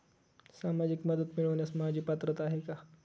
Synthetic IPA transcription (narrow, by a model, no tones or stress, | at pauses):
samad͡ʑikməd̪ət̪miɭəʋnjasmad͡ʑʱiːpat̪ɾət̪aɦeka